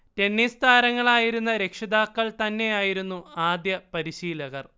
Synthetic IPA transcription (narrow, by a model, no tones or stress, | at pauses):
te̞nːist̪ʰaːɾɐŋːɐɭaːjiɾunːɐɾe̞kʂɐd̪aːkːɐɭt̪ɐnːe̞jaːjiɾunːuaːd̪jɐpɐɾiɕiːlɐɣɐr